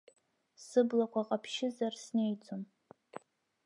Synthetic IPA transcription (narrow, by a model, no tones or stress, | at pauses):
sɨblakʷʰaqʼapʰʃɪzarsne̞jt͡sʼom